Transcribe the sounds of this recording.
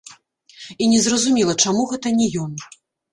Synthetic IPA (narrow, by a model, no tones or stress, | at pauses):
inʲɛzrɐzumʲilˠɐt͡ʂamuɣɛt̪ɐnʲɛjɔn